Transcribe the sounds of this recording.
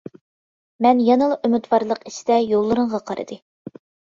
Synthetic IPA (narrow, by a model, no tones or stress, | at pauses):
mɛnjɑnɨlˠɑʔymyt̪wɑɾlˠəqi̥ʃɪ̥d̪ɛjolˠːɨɾəɴʁɑqʰɑɾɨ̰d̪ɨ